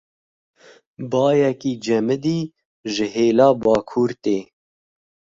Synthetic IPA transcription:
bɑːjɛkiːd͡ʒɛmɨd̪iː | ʒɪɦeːlɑːbɑːkʰuːɾt̪eː

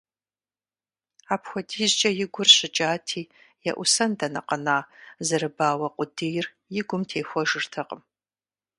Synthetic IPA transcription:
aːpxʷɔdʰiːzt͡ʃʼɐjɪɡʷʊrɕɪt͡ʃʼaːtʰiː | jɛ̰ʔʷʊsɐndɐnɐ̰qɐnaːzɨɾɨbaːwɐqʷʼʊdijr | jɪɡʷʊmtʰeːxʷɔʒɨrtʰɐqʼəm

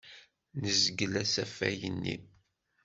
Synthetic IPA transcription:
nəzɡəlæsæfæ̰jənːḭ

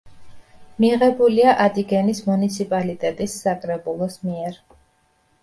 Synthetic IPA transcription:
miʁɛbuliaʔad̪ʼiɡɛnismunit̪sʰipʼalit̪ʼɛt̪ʼisːakʼɾɛbulˠɔsmiɛɾ

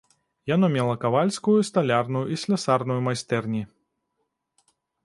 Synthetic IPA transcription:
jɐnɔmʲɛlˠɐkɐvalʲsʲkʊjust̪ɐlʲarnʊjʊisʲlʲɛsarnʊjʊmɐjst̪ɛrnʲi

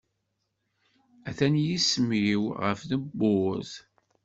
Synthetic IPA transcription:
æθænjismiwʁə̰fðəbːʊz

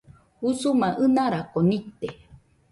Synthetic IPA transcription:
usumãʔɨnaɾakonit̪e

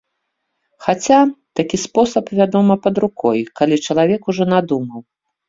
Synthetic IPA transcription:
xat͡sʲat̪akʲispɔsɐpvʲad̪ɔmɐpɐd̪ɾukɔjkalʲit͡ʂɐlˠavʲɛkuʐɔnad̪umɐw

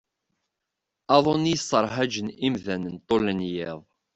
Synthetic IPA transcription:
ɑðˤonijəsəɾˤɦæd͡ʒənimðænənt̪ˤːolənjɪðˤ

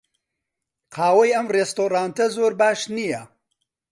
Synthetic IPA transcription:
qʰɑːwɐjɐmrest̪oːɾaːnt̪ɐzoːɾbaːʃnijɐ

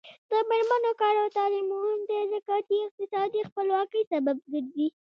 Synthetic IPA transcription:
d̪̥əmeɾmənokɑɾawt̪ɑlɪmuɦmd̪əzakɑt̪iɪq̚t̪ɪsɑd̪ixpəlwɑkəjsabab̚ɡəɾd̪i

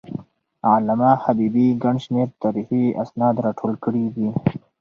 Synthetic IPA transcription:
alamaːhabiːbiɡaɳɖʃmeɾt̪aɾihia̰snɑːd̪ɾɑːʈʰoːlkəɽid̪i

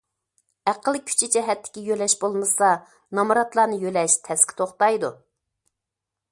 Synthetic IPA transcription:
æqəlˠkʲʰy̥t͡ʃʰid͡ʒɛɦɛt̪ʰːɪ̥kʲijølɛʃbolˠmɨsɑ | nɑmɾɑt̪lˠɑːnɨjølɛʃt̪ʰɛskʲʰɪ̥t̪ʰoχt̪ɑjd̪u

